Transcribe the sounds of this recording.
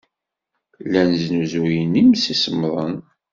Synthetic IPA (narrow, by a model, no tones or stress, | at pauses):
lænznuzujənimsisəmðˤən